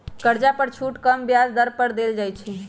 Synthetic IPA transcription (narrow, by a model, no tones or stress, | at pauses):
kəɾd͡ʒapəɾt͡ʃʰuʈkəmbjazd̪əɾpəɾd̪eld͡ʒajt͡ʃʰɛ